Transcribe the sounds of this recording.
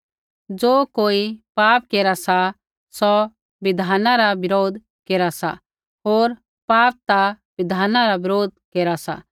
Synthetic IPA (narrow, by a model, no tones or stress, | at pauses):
d͡ʒoːkoːipaːp̚keːɾasa | sɔ | ʋɪd̪ʱaːnãɾabɪɾoːd̪ʱ | keːɾasa̰ | ɦoːɾ | paːp̚t̪a | ʋɪd̪ʱaːnãɾabɪɾoːd̪̚keːɾasa̰